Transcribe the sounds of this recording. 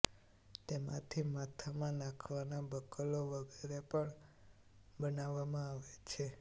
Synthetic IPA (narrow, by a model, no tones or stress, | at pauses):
t̪emã̰t̪ʰimat̪ʰamãnakʰʋanabəkəloʋəɡʱeɾepəɳ | bənaʋːamãaʋet͡ʃʰe